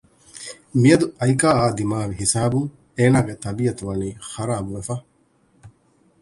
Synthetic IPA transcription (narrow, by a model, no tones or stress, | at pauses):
mijɐd̪uɐjkaːaːd̪imaːʋiɦisaːbuŋ | eːnaːɡet̪ɐbijɐt̪uʋɐniːxɐɾaːbuʋefɐ